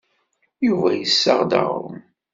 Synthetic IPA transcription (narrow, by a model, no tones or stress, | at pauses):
juvæjəsːəʁd̪a̰ʁʊm